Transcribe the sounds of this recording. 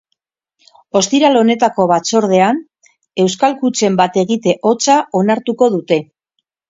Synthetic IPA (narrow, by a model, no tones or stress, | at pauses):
o̞st̪iɾalo̞ne̞t̪ako̞βat͡so̞ɾð̞e̞an | e̞wskalkut͡se̞mbat̪e̞ɣit̪e̞ʔo̞t͡sao̞naɾt̪uko̞ð̞ut̪e̞